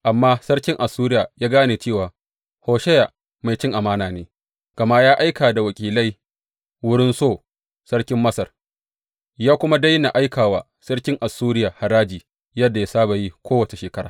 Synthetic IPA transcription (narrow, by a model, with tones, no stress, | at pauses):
ʔa˨mːaː˦sɐ˦ɽkʲɪ˦ŋʔa˨sːuː˦ɾɪ˦jaː˨jaː˦ɡaː˦neː˨t͡ʃeː˦˨waː˨ | hoː˨ʃɛ˦ja˨ | ma˨jt͡ʃɪ˦ŋʔa˨maː˦naː˨neː˨ | ɡ̥ɐ˨ma˦ʔjaː˦ʔa˦jkaː˨da˨wɐ˨kʲʼiː˨la˦j | wʊ˦ɽɪ˦nsoː˦˨ | sɐ˦ɽkʲɪ˦mːɐ˦sɐ˨r | jaː˦kʷʊ˦ma˦da˦jna˨ʔa˦jkaː˨waː˨ | sɐ˦ɽkʲɪ˦ŋʔa˨sːuː˦ɾɪ˦jaː˨ha˨ɾaː˦d͡ʒiː˨ | jɐ˦dːa˨ja˦saː˦ba˨ji˦kʷoː˦wɐ˨t͡ʃe˨ʃeː˨kɐ˦ɽa̰ː˨